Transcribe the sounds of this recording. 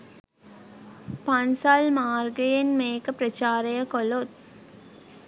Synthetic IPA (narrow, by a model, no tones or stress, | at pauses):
pansalmaːrɡəjenmeːkəpɾət͡ʃaːɾejəkolot̪̚